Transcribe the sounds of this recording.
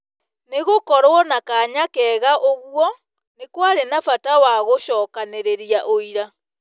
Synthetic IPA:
neɣokɔɾwɔnakaɲakɛɣaʔoɣwɔ | nekwaɾenafatawaɣoʃɔːkaneɾeɾjaʔoiɾa

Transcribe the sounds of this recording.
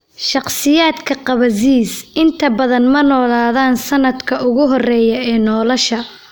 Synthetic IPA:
ʃɑqsɪjaːd̪kʰɐqɑβɐziːsɪnt̪ʰɐbɐðɐnmɐnɔːlaːðaːnsɐnɐd̪kʰɐʔʊɣʊɦɔrɛːjɐɛːnɔːlɔʃɐ

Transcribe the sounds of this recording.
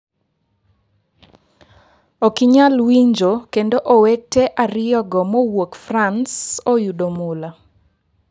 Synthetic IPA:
okiɲalwiɲd͡ʒokendoʔowek̚teʔaɾɪjɔɡɔmowokfransojudomʊla

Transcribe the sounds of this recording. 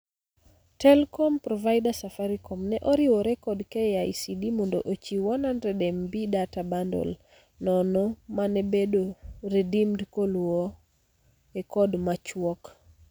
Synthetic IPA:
tɛlkɔmpɾɔvaɪdasafaɾikɔmnɛʔɔɾɪwɔɾɛkɔdkɛjajsidimɔndoʔot͡ʃiwɔnandɾɛdɛmbidatabandɔ̰l | nɔnɔmanɛbedoɾedimdkolwɔ | ekɔdmat͡ʃwɔk

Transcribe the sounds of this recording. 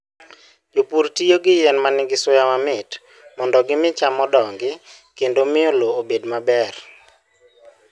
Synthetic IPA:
d͡ʒopuɾtijoɡɪjɛnmanɪɡɪsʊjamamɪt | mɔndɔɡɪmɪt͡ʃamɔdɔŋɡɪ | kendomɪoloobedmabɛr

